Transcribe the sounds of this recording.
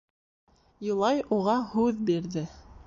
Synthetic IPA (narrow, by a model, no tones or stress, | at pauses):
jŏlˠɑjuʁɑhʉðbiɾðɘ